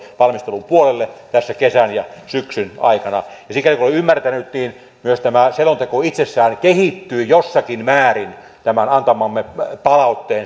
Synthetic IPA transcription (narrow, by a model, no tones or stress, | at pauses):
ʋɑlmist̪elumpuolelːet̪æsːækesænjɑsyksynɑ̰ikɑnɑjɑsikːˑælikuiymːært̪ænyt̪niːn | myøst̪æmæselont̪ekoit̪sesːæːnkehit̪ːyːjosːɑkinmæːrin | t̪æmænɑnt̪ɑmɑmːepɑlɑut̪ːeː